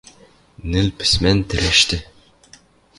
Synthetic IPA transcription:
nɘ̆lpɘ̥̆smænt̪ɘ̆ɾæʃt̪ɘ

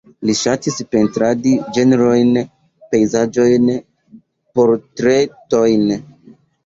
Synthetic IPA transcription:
liʃatispe̞ntɾadid͡ʒe̞neɾo̞jn | pe̞jzad͡ʒo̞jn | po̞ɾtɾe̞to̞jn

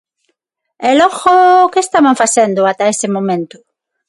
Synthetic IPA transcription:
ɛlɔɣokeest̪amaɱfasɛnd̪ʊat̪aesɪmõmẽnt̪ʊ̥

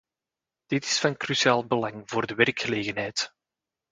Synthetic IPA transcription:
d̥ɪtɪ̥sfɑnkrysiaːlˠbəlɑŋvoːrdəwɛrkxəleːɣənɦɛjt

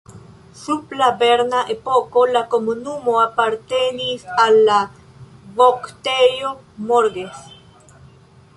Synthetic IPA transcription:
suplabeɾnaʔepokolakomunumoapaɾt̪enisala | βokt̪ejo | moɾɡes

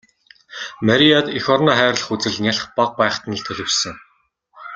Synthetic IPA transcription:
maɾʲiat̪ixɔrnɔːχæːɾə̆ɮ̆χut͡sɘ̆ɮnʲaɮ̆χpaq̚pæːχt̪̆ʰnə̆ɮt̪ʰɵɮʲɪ̆wsɘ̆ŋ

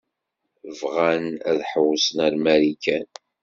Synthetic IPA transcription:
vʁænæðħəwsənæɾmæɾikæn

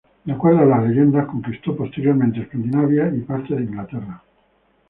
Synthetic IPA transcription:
lakweɾaelazleʝend̪asko̞ŋkist̪opost̪eɾjo̞ɾmẽnt̪eskand̪inaβjaipaɾt̪aðeiŋɡlat̪era

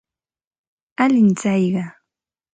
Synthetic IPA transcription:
alɪnt͡sajɢɑ

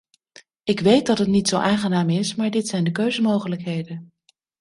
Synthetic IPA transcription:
ɪkʋejt̚dɑtɦətnitsowʔaːŋχənaːmɪsmaːɹdɪtsɛjndəkøɥzəmowχələkɦejdən

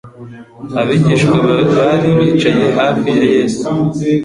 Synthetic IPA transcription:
aβiɟiʃkweβaɾiβiːt͡ʃaje̞ɦaːfijaje̞ːsu

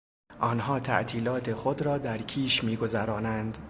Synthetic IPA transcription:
ʔɒːnɦɒːt̪ʰæ̰ʔt̪ʰiːlɒːt̪ʰe̞xod̪ɾɒːd̪æɾcʰiːʃmiːɡo̞zæɾɒːnænd̪

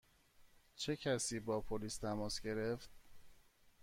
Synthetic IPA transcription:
t͡ʃʰe̞cʰæsiːbɒːpʰoliːst̪ʰæmɒːsɡe̞ɾe̞ft̪̚

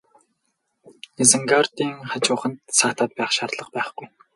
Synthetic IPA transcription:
ezə̆ŋɡart̪iːŋχat͡ɕʊːχə̆nt̪saːt̪ʰaːt̪̚pæːχʃart̪ɮə̆χpæːχɡ̥uj

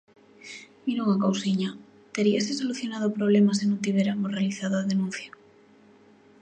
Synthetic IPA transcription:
miɾoŋakowsiɲa | t̪eɾiasesoluθjonaðopɾoβ̞lemasenõnt̪̬iβeɾamosrealiθaðoaðenũn̟θja

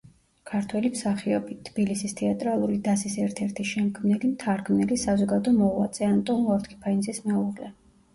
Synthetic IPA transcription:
kʰaɾt̪ʰwɛlimsaχiɔbit̪ʰːb̥ilisist̪ʰɛat̪ʼɾalˠuɾid̪asisɛɾt̪ʰɛɾt̪ʰiʃɛmkʰmnɛlimt̪ʰaɾɡʰmnɛlisazɔɡad̪ɔmɔlˠa̰t̪sʼɛant̪ʼɔnɔɾt̪kʰi̥pʰainzismɛuʁlɛ

